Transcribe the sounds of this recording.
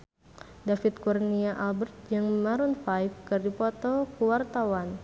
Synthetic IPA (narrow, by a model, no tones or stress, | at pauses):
dafit̪̚kurniaʔalbərt̪̚d͡ʒɨŋməmaɾunfajfkɨrdipɔt̪ɔkəwart̪awan